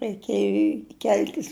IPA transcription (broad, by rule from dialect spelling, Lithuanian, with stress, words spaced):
rɐɪˈkʲeːjʊ ɪ ˈkʲɛlʲtʲɪs